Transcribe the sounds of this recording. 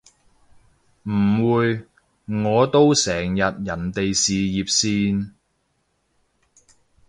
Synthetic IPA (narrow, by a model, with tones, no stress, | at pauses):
m̩˨˩wuː˨˧j | ŋɔː˨˧t̪o˥wsɛː˨˩ŋjɐ˨t̚jɐ˨˩nt̪e˨jsiː˨jiː˨p̚siː˧n